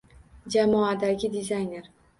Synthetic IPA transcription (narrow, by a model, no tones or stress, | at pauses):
d͡ʒamɒad̪aɡʲɪd̪ɪzajne̞ɾ